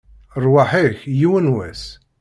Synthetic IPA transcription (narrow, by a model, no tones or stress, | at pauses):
ɾˤwaħiçjiwənwæ̰s